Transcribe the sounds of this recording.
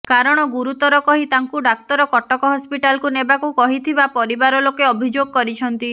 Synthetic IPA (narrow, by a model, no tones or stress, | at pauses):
kaɾɔɽ̃ɔɡuɾut̪ɔɾɔkɔɦit̪aŋkuɖak̚t̪ɔɾɔkɔʈɔkɔɦɔspiʈalkunebakukɔɦit̪ʰibapɔɾibaɾɔlokeɔbʱid͡ʒoɡɔkɔɾit͡ʃʰɔnt̪i